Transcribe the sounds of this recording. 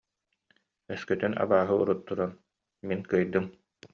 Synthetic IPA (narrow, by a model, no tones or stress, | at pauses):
œskœt̪yna̰baːɦɯṵɾut̪ːuɾan | minkɯjd̪ɯm